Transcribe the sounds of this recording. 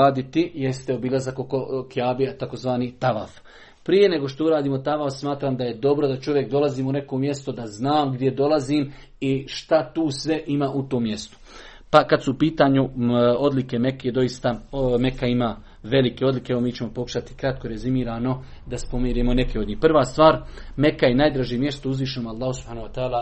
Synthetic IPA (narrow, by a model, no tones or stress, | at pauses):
aːd̪it̪ije̞st̪eo̞bilˠazakokokijaːbiat̪akozʋaːnit̪aʋa̰f | pɾije̞ne̞ɡo̞ʃt̪o̞uɾaːd̪iːmo̞t̪aʋafsmaːt̪ɾaːmd̪aje̞d̪o̞bɾod̪at͡ʃo̞ʋje̞kd̪o̞laziːmune̞ko̞mje̞st̪o̞d̪aznaːmɡd̪ʲje̞d̪o̞laziːm | iʃt̪at̪uːsʋe̞ʔimaːʔut̪oːmːje̞st̪o̥ | pakad̪suːpiːt̪aːɲuo̞d̪like̞me̞kjed̪o̞jist̪ame̞kaimaː | ʋe̞like̞o̞d̪likeeʋomiːt͡ɕe̞mo̞po̞ku̥ʃat̪i̥kɾat̪̚ko̞ɾe̞zimiːɾaːno̞ | d̪aspo̞mjiːɾiːmone̞keod̪ɲiːhprʋaːst̪ʋaːɾme̞kaje̞naːjd̪ɾaʒiemje̞st̪ouzʋiːʃ̬enoːmalˠːɑːhusub̥haːnoat̪aːla